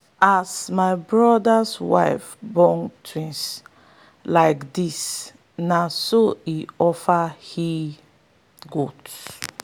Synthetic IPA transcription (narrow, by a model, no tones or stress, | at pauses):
asmaɪbɹɔdaswa̰ɪfbɔŋtʰɹĩns | laɪkdis | nasoiɔfahi | ɡuds